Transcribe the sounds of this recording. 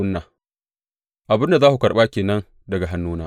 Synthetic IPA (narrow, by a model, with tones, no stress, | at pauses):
ʊ˦nːaː˨ | ʔa˨bɪ˦nda˨zaː˦hu˨kɐ˨ɓaː˦kʲeː˨nɐ˦n | dɐ˨ɡa˨ɦa˦nːuː˦naː˦